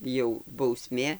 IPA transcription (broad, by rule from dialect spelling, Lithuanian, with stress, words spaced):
jɛʊ bɐʊˈsʲmʲeː